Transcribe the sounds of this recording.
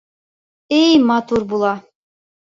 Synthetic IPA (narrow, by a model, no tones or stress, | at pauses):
ejmɑt̪uɾbulˠɑ